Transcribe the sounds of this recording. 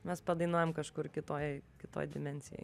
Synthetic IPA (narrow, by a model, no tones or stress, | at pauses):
mʲɛspɐd̪ɐɪnuɔjɛmkɐʃkʊrkʲɪt̪oːjkʲɪt̪o̰ːjd̪ʲɪmʲɛnʲsʲɪjɛ̰ɪ